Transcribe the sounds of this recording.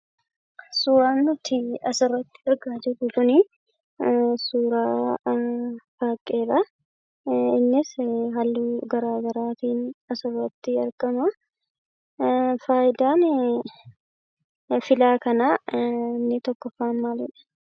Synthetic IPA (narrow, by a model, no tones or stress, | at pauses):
suːɾaːnːʊt̪ːɪɐsɐrːɔt̪ːɪ̥ɐɾɡaːd͡ʒɪᶑʊkʊnɪ | suːɾaː | baːkʼːe̞ːɾɐ | ɪnːɪsɦɐlːuɡɐɾaːɡɐɾaːt̪iːnɐsɐrɔt̪ːɪɐɾɡɐmɐ | faːjɪd̪aːn | fɪlaːkɐnaɪnːɪt̪ɔkːɔfaːnmaːlɛᶑɐ̥